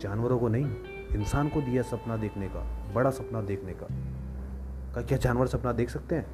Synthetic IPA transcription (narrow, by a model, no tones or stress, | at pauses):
d͡ʒaːnʋəɾõkonɐɦĩ | ɪnsaːnkod̪ijasɐpnad̪eːkʰneka̰bɐɽasɐpnad̪eːkʰneka̰ | kakjaːd͡ʒaːnʋəɾsɐpnad̪eːkʰsɐk̚t̪eɦɛ̃ː